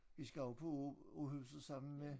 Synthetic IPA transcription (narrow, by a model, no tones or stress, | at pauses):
ʋisɡ̥æɒʊpʰɒohyʊsð̩ˠsɑ̈m̰n̩me